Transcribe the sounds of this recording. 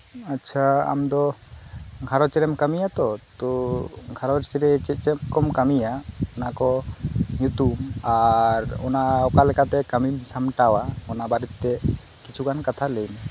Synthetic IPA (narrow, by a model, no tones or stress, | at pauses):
atːt͡ʃʰaa̰md̪ɔ | ɡʱaɾɔt͡ʃɛɾɛmkamijat̪ɔt̪ɔɡʱaɾɔt͡ʃɛɾɛt͡ʃɛt͡ʃɛmkɔmkamijaɔnakɔjut̪ubaɾɔ̰naɔkalɛkat̪ɛkamimsamʈawaɔnabaɾit̪t̪ɛ | kit͡ʃʰuɡankat̪ʰalɛjm